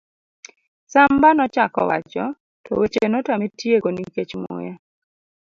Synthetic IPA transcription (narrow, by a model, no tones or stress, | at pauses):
sambanɔt͡ʃakɔ̰wa̰t͡ʃɔ | tɔ̰wet͡ʃenɔtametjeɡoniket͡ʃmʊ̰ja